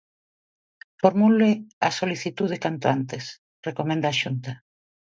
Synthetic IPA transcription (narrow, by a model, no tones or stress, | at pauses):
foɾmuleasoliθit̪uð̞ekant̪oant̪es | rekomẽnd̪aːʃunt̪a